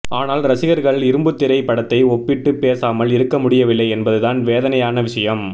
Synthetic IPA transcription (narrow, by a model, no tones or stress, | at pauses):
aːnaːlɾɐsɪɣɐɾɣɐɭɪɾɯmbɯt̪ːɪɾɐɪpɐɽɐt̪ːɐɪɔpːɪʈːɯpeːsaːmɐlɪɾɯkːɐmʊɽɪjɐʋɪlːɐɪɛnbɐðɯðaːnʋeːðɐnɐjaːnɐʋɪʂɐjɐm